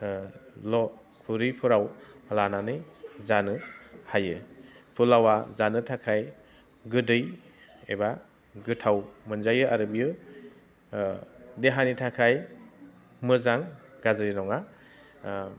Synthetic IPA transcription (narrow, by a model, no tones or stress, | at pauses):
lɔ | kʰuɾɯjpʰɯɾawlananɯzanɯhajɯpʰulawazanɯtʰakʰaj | ɡɯdɯj | ḛba | ɡɯtʰawmɯnzajɯʔaɾɯbijɯ | deɦanitʰakʰaj | mɯzaŋɡ̥azɯɾinɔŋa